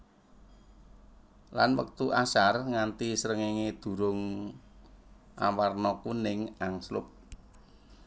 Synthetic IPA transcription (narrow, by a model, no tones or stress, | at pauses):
lanwə̰k̚t̪uʔasarŋant̪isəɾəŋeŋed̪̥ṳɾʊŋ | ʔa̰warnɔkunɪŋaŋslʊ̰p̚